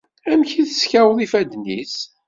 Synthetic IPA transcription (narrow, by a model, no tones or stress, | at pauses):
æmçiθəsçæwðˤifæd̪nḭs